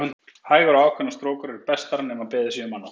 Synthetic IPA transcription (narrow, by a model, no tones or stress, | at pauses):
n | haːjɣaɾawaːwkʰvɛnast̪ɾoːwkʏɾɛɾɪɾpɛst̪aɾanɛmapɛːðɪsinʏmanːa